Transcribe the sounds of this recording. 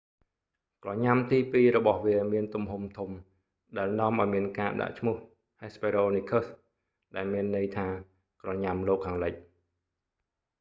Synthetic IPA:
krɑɲamt̪iːpiːɾɔɓɑhʋiəmiənt̪umɦumt̪ʰum | ɗaɛlnŏəmʔaɔjmiənkaːɗa̰ʔt͡ɕʰmʊ̆əh | heːspeːɾoːniːkʰəs | ɗaɛlmiənːɨəjt̪ʰaː | krɑɲamloːkʰːaːŋləc̚

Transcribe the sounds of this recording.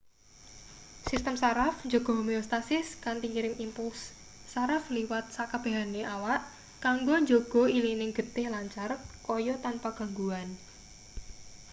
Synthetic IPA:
sist̪əmsaɾafɲd͡ʒoɡ̥ɔ̤ɦomiost̪asɪskant̪iŋiɾɪŋimpulsː | aɾafliwat̪̚sakab̥a̤ɦaneʔawaʔ | kaŋɡoɲd͡ʒoɡ̥ɔ̤ilinɪŋɡ̥ə̤t̪ɪhlaɲt͡ʃarkɔjɔt̪anpaɡ̥a̤ŋɡuan

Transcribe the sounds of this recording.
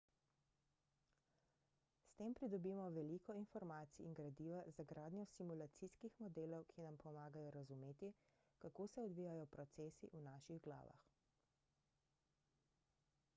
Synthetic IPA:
st̪eːmpɾid̪ɔbiːmɔʋɛliːkɔinfɔɾmaːt̪siːŋɡɾad̪iːʋazaɡɾaːd̪nʲjɔsimulat̪siskixmɔd̪eːlɔwkʰinampɔmaːɡajɔɾazumeːt̪i | kakoːsɛɔd̪ʋiːjajɔpɾɔt̪sɛːsiʔunaːʃiɣɡla̰ːʋa̰x

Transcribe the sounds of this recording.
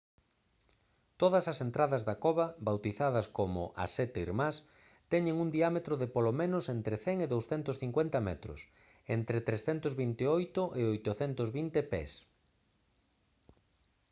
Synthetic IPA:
t̪oðɐsɐsent̪ɾaðɐzðɐkoβɐbawt̪iθaðɐskomʊ̰ʔa̰sɛt̪eḭɾmas | t̪ɛɲɪŋund̪iamet̪ɾʊðɪpolomẽnʊsent̪ɾɪθɛŋeðowsθɛnt̪ʊsθiŋkwɛnt̪ɐmɛt̪ɾʊ̰s | ent̪ɾet̪ɾesθɛnt̪ʊzβint̪eojt̪ʊʔeojt̪ʊθɛnt̪ʊzβint̪epɛ̰s

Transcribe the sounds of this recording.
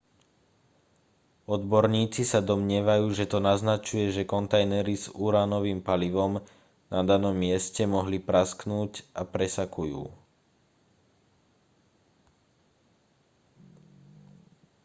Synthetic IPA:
ɔd̪bɔɾɲiːt͡sisad̪ɔmɲɪɛʋajuːʒɛt̪ɔnaznat͡ʃujɛʒɛkɔnt̪ajnɛɾizuɾaːnɔʋiːmpaliʋɔm | nad̪anɔmːɪɛscɛmɔɦlipɾasknuːcʔapɾɛsakujṵː

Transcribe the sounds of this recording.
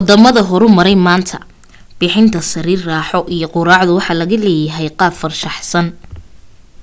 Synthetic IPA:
wɔd̪ɐmɐðɐɦɔɾʊmɐɾɛjmaːnt̪ʰɐ̰ | b̥ɪħɪnt̪ʰɐsɐɾiːrraːħɔʔijɔqʊɾaːʕðʊwɑħɑːlɐɣɐlɛːjɐɦɛjqɑːbfɐrʃɑħsɐn

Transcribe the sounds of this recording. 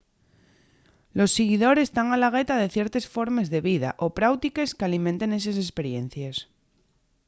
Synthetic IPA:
lo̞sːeɣ̞iðo̞ɾe̞st̪aŋalaɣ̞e̞t̪aðe̞θje̞ɾt̪e̞sfo̞ɾme̞zðe̞βiða̰ʔopɾawt̪ike̞skealimẽnt̪ene̞s̬esespe̞ɾje̞n̟θjes

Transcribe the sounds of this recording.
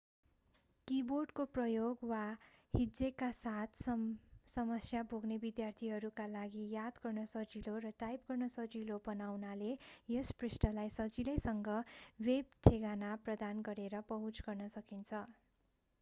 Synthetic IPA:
kiborɖkoprʌjoɡwahid͡zekasat̪ʰssʌmʌsjabʱoɡnebid̪jart̪ʰiɦʌɾukalaɡijad̪ɡʌrnʌsʌd͡zilorʌʈajp̚ɡʌrnʌsʌd͡zilobʌnawnalejesprisʈʌlajsʌd͡zilʌjsʌŋɡʌwebtʰeɡanaprʌd̪anɡʌɾeɾʌpʌɦũt͡sɡʌrnʌsʌkint͡sʰʌ

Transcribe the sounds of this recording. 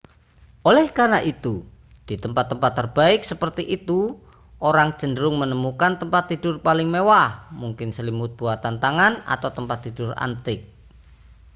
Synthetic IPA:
ʔolɛhkarnaʔit̪u | d̥it̪əmpat̪ːəmpat̪ːərb̥aɪk̚səpərt̪iʔit̪u | oɾaŋ̥ʒ̥ə̤ndəɾʊŋmənəmukant̪əmpat̪ːid̥ʊrpalɪŋmewahmuŋkɪnsəlimʊt̪̚b̥uat̪ant̪aŋana̰t̪awt̪əmpat̪ːid̥ʊra̰nt̪ɪk̚

